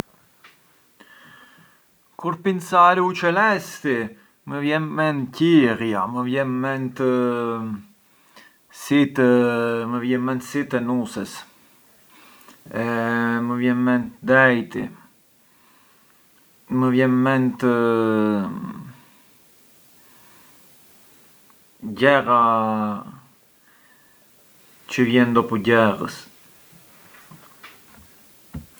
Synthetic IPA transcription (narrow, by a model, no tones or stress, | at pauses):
kuɾpinsaɾiut͡ʃɛlɛst̪i | məvjɛnmɛncirjaməvjɛnmɛnt̪ə | sit̪ | məvjɛnmɛnt̪sit̪ɛnusəs | ɛməvjɛnmɛnt̪d̪ɛjt̪i | məvjɛnmɛnt̪ə | ɟɛɾa | t͡ʃəvjɛnd̪ɔpuɟɛɾə̰s